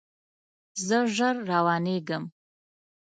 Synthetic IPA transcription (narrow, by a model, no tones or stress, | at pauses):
zəʒəɾːawɑneɡəm